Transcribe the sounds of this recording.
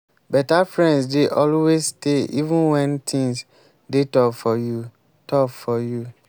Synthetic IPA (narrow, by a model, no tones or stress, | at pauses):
bɛtafɹɛ̃ndsdeʔɔlwessteivũnwɛ̃ntʰĩŋs | detɔkfɔju | tɔkfɔju